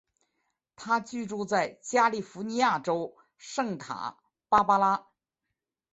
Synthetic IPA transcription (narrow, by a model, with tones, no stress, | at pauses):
t̪ʰa˥t͡ɕy˥˧ʈ͡ʂu˥˧t͡sa˥˩ɪt͡ɕja˥li˥˩fu˧˥ni˧˥ja˥˩ʈ͡ʂo˥ʊ | ʂɤ˥˩ŋt̪ʰa̰˨˩˥ | pa˥pa˥la˥